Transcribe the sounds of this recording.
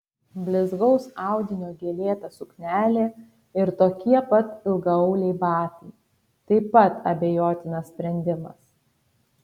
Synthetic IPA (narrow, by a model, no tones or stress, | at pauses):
bʲlʲɪzɡɒʊsɑˑʊd̪ʲɪnʲoːɡʲeːlʲeːt̪ɐsʊknʲæːlʲeː | ɪɾt̪oːkʲiɛpɐt̪ɪlˠɡɐɐʊlʲɛɪbɑːt̪ʲɐɪ | t̪ɐɪpɐt̪ɐ̰bʲeːjoːt̪ʲɪnɐssʲpʲɾʲɛnʲd̪ʲɪmɐ̰s